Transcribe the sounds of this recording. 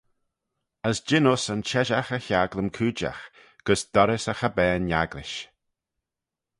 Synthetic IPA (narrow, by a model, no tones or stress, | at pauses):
əsd͡ʒɪnʊsənt͡ʃɛʒaxəçaɡlˠəmkʰʉːd͡ʒa̰x | ɡ̥əsd̪̥ɔɾɪsəxəbɛːnjaɡlɪʃ